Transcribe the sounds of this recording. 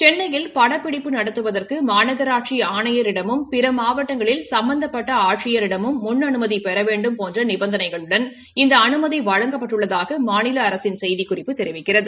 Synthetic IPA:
t͡ʃɛnːɐjɪlpɐɽɐpːɪɽɪpːɯnɐɽɐt̪ːɯʋɐðɐrkɯmaːnɐɣɐɾaːʈt͡ʃiaːɳɐjɐɾɪɽɐmɯmpɪɾɐmaːʋɐʈːɐŋɡɐɭɪlsɐmbɐnd̪ɐpːɐʈːɐaːʈt͡ʃɪjɐɾɪɽɐmɯmːʊnːɐnɯmɐðipɛɾɐʋeːɳɖɯmpoːndrɐnɪbɐnd̪ɐnɐɪɣɐɭɯɽɐn | ɪnd̪ɐːnɯmɐðiʋɐɻɐŋɡɐpːɐʈːɯɭːɐðaːɣɐmaːnɪlɐːɾɐsɪnsɛjðikʊrɪpːɯt̪ːɛɾɪʋɪkːɪrɐðɯ

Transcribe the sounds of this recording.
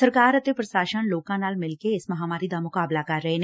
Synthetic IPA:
ɐɾkaːɾɐt̪epɾɐʃaːʃənloːkãnaːlmɪlkeɪsmɐɦaːmaːɾid̪amʊkaːblakɐɾːɐɦen

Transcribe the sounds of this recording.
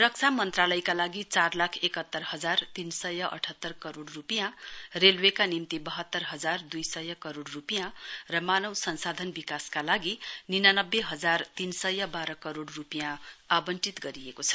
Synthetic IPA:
rʌk̚t͡sʰamʌnt̪ralʌjkalaɡit͡sarlakʰekʌt̪ːʌrɦʌd͡zart̪insʌjʌʔʌ̰ʈʰʌt̪ːʌrkʌɾoɽrupijãrelwekanimt̪ibʌɦʌt̪ːʌrɦʌd͡zard̪ujsʌjʌkʌɾoɽrupijãrʌmanʌwsʌnsad̪ʱʌnbikaskalaɡininanʌbːeɦʌd͡zart̪insʌjːʌbaɾʌkʌɾoɽrupijãabʌnt͡sit̪ɡʌɾiekot͡sʰʌ̥

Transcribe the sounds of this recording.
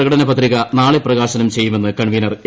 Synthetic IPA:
ɐɣɐɽɐnɐpɐt̪riɣɐnaːɭeprɐɣaːɕɐnɐmt͡ɕe̞jːume̞nːɨkɐɳʋinɐr

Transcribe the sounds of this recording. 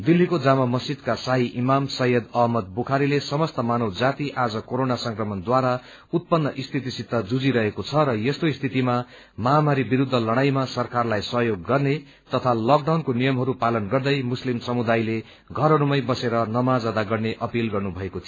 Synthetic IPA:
d̪ilːikod͡zamamʌsid̪̚kasaɦiʔimamsʌɦjʌd̪ʌɦmʌd̪̚bukʰaɾilesʌmʌst̪ʌmanʌwd͡zat̪iʔad͡zʌkoɾonasʌŋkrʌmʌnd̪waɾa | ut̪̚pʌnːʌʔist̪ʰit̪isit̪ːʌd͡zud͡ziɾʌɦekot͡sʰʌɾʌjest̪oist̪ʰit̪ima | mʌɦamaɾibiɾud̪ʱːʌlʌɽ̃ajmasʌrkarlajsʌɦjoɡːʌrne | t̪ʌt̪ʰalʌkɖawnkonijʌmɦʌɾupalʌnɡʌrd̪ʌjmuslimsʌmud̪ajle | ɡʱʌɾɦʌɾumʌjbʌseɾʌnʌmad͡zad̪aɡʌrneʔʌpilɡʌrnubʱʌekot̪ʰi

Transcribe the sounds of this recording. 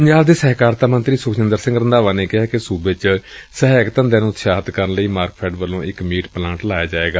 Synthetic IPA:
pəɲd͡ʒaːld̪eːsɛɦkaːɾt̪aːmənt̪ɾiːsʊkʃɪ̃nd̪əɾsɪ̃ŋɡɾənd̪aːʋaːneːkɪɦaːkɪsuːbeːt͡ʃsəɦɛːkt̪ə̃nd̪eːnũːt̪ʃaːɦt̪kəɾənləiːmaːɾkpʰɛːɖʋəlõːʔɪkmiːʈplãːɳʈlaːjaːd͡ʒaːeːɡaː

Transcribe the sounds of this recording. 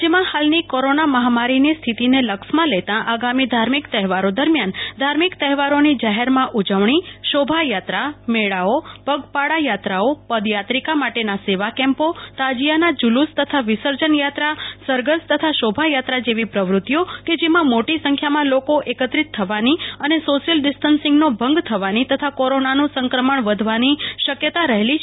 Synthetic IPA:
d͡ʒemãhalnikoɾonaməɦamaɾinist̪ʰit̪ineləkʃmãlet̪ãʔaɡamid̪ʱaɾmikt̪əɦɛʋaɾod̪əɾmjand̪ʱaɾmikt̪əɦɛʋaɾonid͡ʒaɦeɾmãʔud͡ʒəʋɳiʃobʱajat̪ɾameɭaopəɡpaɽajat̪ɾaopəd̪jat̪ɾikamaʈenaseʋakɛ̃mpot̪ad͡ʒijanad͡ʒulust̪ət̪ʰaʋisəɾd͡ʒənjat̪ɾasəɾɡəst̪ət̪ʰaʃobʱajat̪ɾad͡ʒeʋipɾəʋɾʊt̪ːjoked͡ʒemãmoʈisə̃ŋkʰjamãlokoʔekət̪ɾit̪ʰːəʋaniənesoʃjəlɖisʈənsɪŋɡnobʱəŋɡt̪ʰəʋanit̪ət̪ʰakoɾonanũsəŋkɾəməɳʋəd̪ʱʋaniʃəkjət̪aɾəɦeli

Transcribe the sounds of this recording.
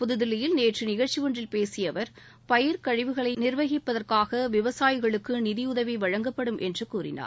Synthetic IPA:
pʊðɯðɪlɪjɪlneːʈrɯnɪɣɐɻt͡ʃiʋɔndrɪlpeːsɪjɐʋɐɾ | pɐjɪɾkɐɻɪʋɯɣɐɭɐɪnɪɾʋɐɣɪpːɐðɐrkaːɣɐʋɪʋɐsaːjɪɣɐɭɯkːɯnɪðɪʊðɐʋiʋɐɻɐŋɡɐpːɐɽɯmʔɛndrɯkuːrɪ̰na̰ːɾ

